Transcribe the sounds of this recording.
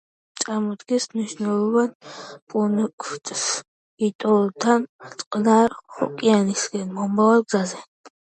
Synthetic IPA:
t͡s̪ʼamɔd̪ɡɛsmniʃnalˠɔvanpʼunkʼʰt͡ʃʼs | it̪ʼɔlt̪ʰant͡sʼqʼnaɾχɔ̰kʼijanisɡɛnmɔmbavaɡzazɛ

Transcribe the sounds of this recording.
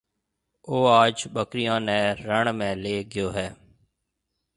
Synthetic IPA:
oːaːd͡ʒɓəkɾɪjãːnɛ̃ːɾəɳmẽːleːɡɪjoːɦɛː

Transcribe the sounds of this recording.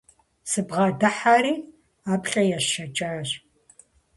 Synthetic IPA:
sɨbʁɑːdɐħaːɾiː | aːpχʲʼɐjɛʃʃɐt͡ʃʼaːɕ

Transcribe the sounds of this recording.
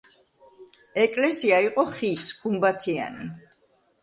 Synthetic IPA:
ɛkʼlɛsiaiqʼɔχisɡ̥umbat̪ʰia̰ni

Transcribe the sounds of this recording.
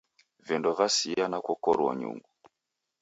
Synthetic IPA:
vɛndɔvasianakwɔkɔɾɔ̰ɲṵŋɡu

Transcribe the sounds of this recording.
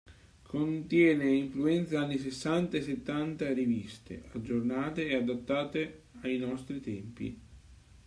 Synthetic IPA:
kʰont̪jɛːneiɱfluɛnt̪saanːis̬esːant̪aes̬et̪ːant̪arivist̪ḛad͡ʒːornaːt̪eːad̪at̪ːaːt̪e | ajnɔst̪ɾit̪ɛmpḭ

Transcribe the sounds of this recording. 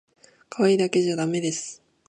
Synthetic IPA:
kʰaβaid̪ake̞ʑad̪ame̞d̪e̞sɨ̥

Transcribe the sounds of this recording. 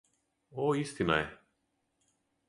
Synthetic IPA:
oist̪ina̰jɛ

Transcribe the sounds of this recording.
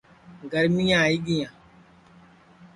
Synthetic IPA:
ɡɐɾmijãjiɡiɲã

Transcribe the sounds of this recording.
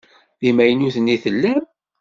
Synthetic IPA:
ðimæjənuθənːiθəlːæm

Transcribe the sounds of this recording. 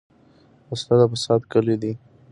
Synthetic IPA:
ast̪ad̪apəsɑt̪kəled̪i

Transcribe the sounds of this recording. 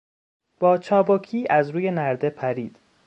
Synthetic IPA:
b̥ɒːt͡ʃʰɒːbɒcʰiːʔæzɾuːje̞næɾd̪e̞pʰæɾiːd̪̥

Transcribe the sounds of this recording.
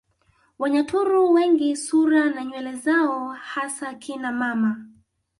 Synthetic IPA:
waɲatʰuɾuwɛŋɡisuɾanaɲwɛlɛzaɔhasakinamama

